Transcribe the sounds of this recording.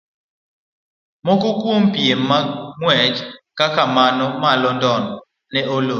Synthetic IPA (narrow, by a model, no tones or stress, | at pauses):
mokokwompiemːaŋwɛd͡ʒkakamanɔmalɔndɔnɔ | nɛolo